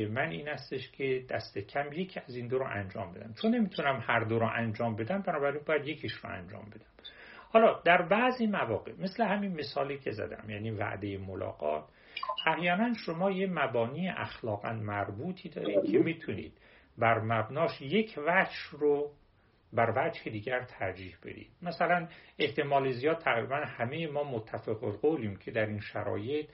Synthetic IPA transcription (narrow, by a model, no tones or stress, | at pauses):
emænʔiːnæst̪eʃcʲʰe̞d̪æst̪e̞cʰæmje̞cʰiːæzind̪oɾoʔæ̰nd͡ʒɒ̰ːmbe̞d̪æmt͡ʃʰonːe̞miːt̪ʰunæmhæɾd̪oɾʊʔænd͡ʒɒːmbe̞d̪æmbænɒːbæɾinbɒːjæd̪jecʰiʃro̰æ̰nd͡ʒɒ̰ːmbe̞d̪æm | hɒlɒd̪æɾbæziːmævɒːɡḛme̞slehæminme̞sɒːliːkʰe̞zæ̰d̪æ̰mjæːniːvæ̰ʔd̪e̞jemolɒ̰ːɡɒ̰ːt̪ | ʔæhjɒːnænʃo̞mɒːje̞mæbɒːniːeʔæ̰xlɒːɣæ̰nmæɾbuːt̪ʰiːd̪ɒːɾiːd̪̥̚kʰemit̪ʰunḭːd̪̥̚ | bæɾmæbnɒːʃje̞cʰvæd͡ʒro | bæɾvæd͡ʒhed̪iːɟæɾt̪ʰæɾd͡ʒiːhb̥e̞̰d̪ḭːd̪̥mæsælæne̞ht̪ʰe̞mɒːlezijɒːd̪̚t̪ʰæɣɾḭbænhæmejemɒːmot̪ʰːæfeɣolɡoliːmcʰe̞d̪æɾinʃæ̰ɾɒ̰ːje̞t̪̚ʰ